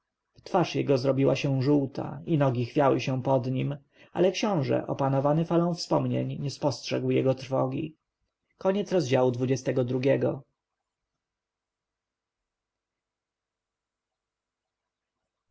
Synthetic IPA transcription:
t̪faʂjɛɡɔzɾɔbʲiwaɕɛw̃ʐuwt̪ʰa̰inɔɡʲixfʲjawɘɕɛ̃pɔd̪ɲim | a̰lɛkɕɔ̃w̃ʐɛ̰ʔɔ̰panɔvanɘfalɔ̃w̃fspɔmɲḛɲɲɛspɔstʂɛɡwjɛɡɔt̪ɾfɔ̰ɡʲḭ | kɔɲɛt̪sɾɔzd͡ʑawud̪vud͡ʑɛst̪ɛɡɔd̪ɾuɡʲɛɡɔ

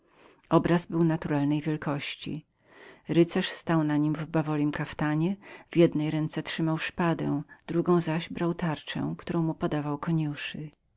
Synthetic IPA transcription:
ɔbɾazbɘwnat̪uɾalnɛjvʲjɛlkɔɕt͡ɕḭ | ɾɘt̪sɛʂst̪awnaɲimvbavɔlʲimkaft̪aɲɛv̥jɛd̪nɛjɾɛnt̪sɛtʂɘmawʂpad̪ɛ̰̃d̪̥ɾuɡɔ̃w̃zaʑbɾawt̪aɾt͡ʂɛ̰̃kt̪uɾɔ̃w̃mupɔd̪avawkɔɲuʂɨ

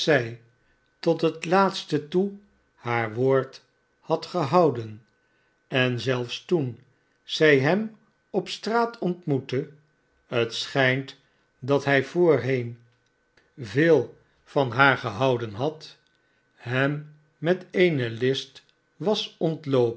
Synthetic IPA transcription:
sɛj | tɔtɦətlaːtstətu | haːɹʋoːɹt | hɑtχəɦɑwdən | ɛnzɛlˠfstun | z̥ɛjɦɛm | ɔpstraːtɔntmutə | ɦətsχɛjnt | dɑtɦɛjvoːɹɦejn | veːlˠ | fɑnɦaːɹχəɦɑwdənɦɑt | ɦɛmː | ɛtejnəlɪst | ʋɑsɔntlowp

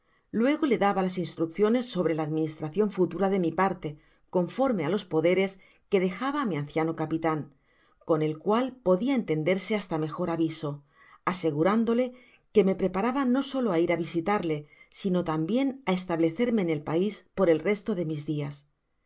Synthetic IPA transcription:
lwe̞ɣ̞o̞le̞ðaβalasinst̪ɾukθjo̞ne̞sːo̞βɾe̞laːðminist̪ɾaθjo̞ɱfut̪uɾaðe̞mipaɾt̪e̞ | ko̞ɱfo̞ɾme̞alo̞spo̞ðe̞ɾe̞s | ke̞ð̞e̞xaβaːmian̟θjano̞kapit̪aŋ | ko̞ne̞lkwalpo̞ðiae̞nt̪e̞nd̪e̞ɾse̞ast̪ame̞xo̞ɾaβiso̞ | ase̞ɣ̞uɾand̪o̞le̞ | ke̞me̞pɾe̞paɾaβano̞so̞loaiɾaβisit̪aɾle̞sino̞t̪ambje̞naest̪aβle̞θe̞ɾme̞ːne̞lpaispo̞ɾe̞lre̞st̪o̞ðe̞mizðias

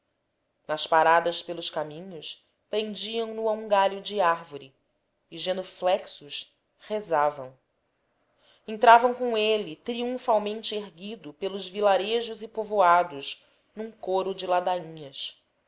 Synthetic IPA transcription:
nɐspaɾad̪ɐspelˠʊʃkamĩɲʊʃ | pɾẽŋd͡ʒiɐ̃w̃nʊaũŋɡaʎʊd͡ʒɪaɾvoɾi | ɪʒẽnoflɛksʊʃ | hezavɐ̰̃w̃ | ẽnt̪ɾavɐ̃w̃kõw̃elɪt̪ɾiũfawmẽnt͡ʃɪeɦɡid̪ʊpelʊzvilaɾeʒʊzɪpovoad̪ʊʃ | nũŋkoɾʊd͡ʒɪlad̪aĩɲɐs

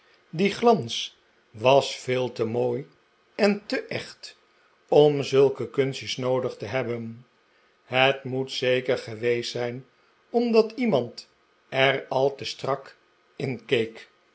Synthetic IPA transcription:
diχlɑns | ʋɑsfɪːlˠtəmoːj | ɛntəʔɛχt | ɔmzɵlˠkəkɵnsəsnowdəχtəɦɛbən | ɦətmutsejkəɹχəʋejsɛjn | ɔmdɑtimɑnt | ɛrɑlˠtəstrɑk | ɪnkejk

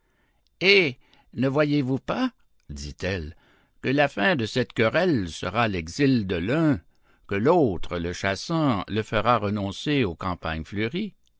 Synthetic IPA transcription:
e | nəvwajevupa | d̪it̪ɛl | kəlafɛ̃d̪əsɛt̪kəʁɛlsə̰ʁalɛɡzild̪əlœ̃ | kəlot̪ʁələʃasɑ̃ləfəʁaʁənɔ̃seokɑ̃pa̰ɲfløʁi

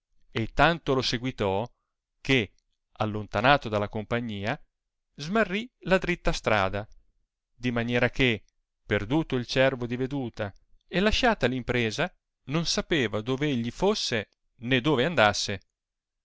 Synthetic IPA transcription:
et̪ːant̪oloseɡwit̪ɔ | ke | alːont̪anaːt̪od̪alːakompaɲːiːa | zmarːilad̪ɾit̪ːast̪ɾa̰ːd̪a | d̪imanjɛːɾak̟e | perd̪uːt̪oilt͡ʃɛrvod̪ived̪uːt̪a | elːaʃaːt̪alimpɾeːza | nonsapeːvad̪oːveeʎːifosːe | ned̪oːveand̪asːe

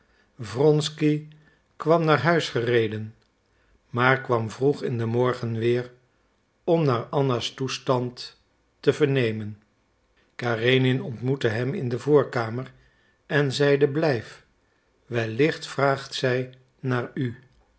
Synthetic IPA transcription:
vrɔnski | kʋɑmnaːɹɦœɥsχərejdən | maːɹkʋɑmvruχɪndəmɔɹχənʋɪːr | ɔmnaːɹɑnastustɑntː | əvəɹnejmən | kaːrejnɪnɔntmutəɦɛmɪ̰ndəvʊːɹkaːmər | ɛnzɛjdəblɛjf | ʋɛlɪχtfraːχtsɛj | naːɹy

